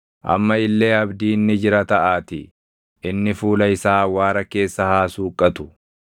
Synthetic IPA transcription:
ʔɐ̰mːɐɪlːe̞ːɐbd̪iːnːɪd͡ʒɪɾɐt̪ɐʔaːt̪ɪ | ɪnːɪfuːlɐɪsaːwaːɾɐke̞ːsːɐhaːsuːkʼːɐt̪ʊ̥

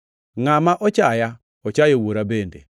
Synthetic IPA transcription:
ŋamaʔɔt͡ʃaja | ɔt͡ʃajowoɾabendḛ

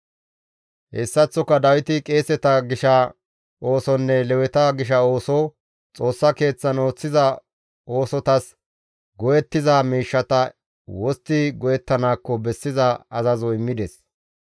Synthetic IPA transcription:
hɛsːɐt͡sːɔkːɐd̪ɐwɪt̪ɪkʼe̞ːsɛt̪ɐɡɪʃɐ | ʔo̞ːsɔnːɛlɛwɛt̪ɐɡɪʃ̬ɐo̞ːsɔ | t͡sʼo̞ːsːɐke̞ːt͡sːɐno̞ːt͡sːɪzɐ | o̞ːsɔt̪ɐs | ɡɔjɛt̪ːɪzamiːʃːɐt̪ɐ | wɔst̪ːɪɡɔjɛt̪ːɐnaːkːɔbɛsːɪzɐɐzɐzɔɪmːɪd̪ɛs

